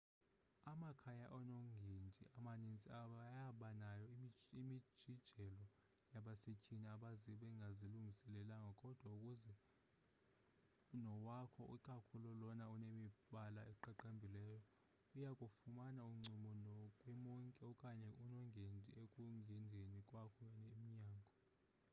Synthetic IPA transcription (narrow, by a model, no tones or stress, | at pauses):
amakʰajaʔɔnɔŋɡʱendʱʼḭʔamanint͡sʼiaɓajaɓanajɔimid̥ʒ̥ʱid̥ʒ̥ʱɛlɔ | jaɓasecʰʼiniaɓaziɓɛŋɡʱaziluŋɡʱisɛlɛlaŋakʼɔd̥ʱwaukʼuzɛ | nɔwakʰɔʔukʼakʰulɔlɔnaunemiɓalaɛǃaǃambʱilɛːjɔ | ujakʼufumanauŋ͡ǀʱimɔnɔkʼwɛmɔŋkʼɛɔkʼaɲɛunɔŋɡʱendʱiekʼuŋɡʱɛndʱenikʼwakʰɔnemiɲaːŋɡʱɔ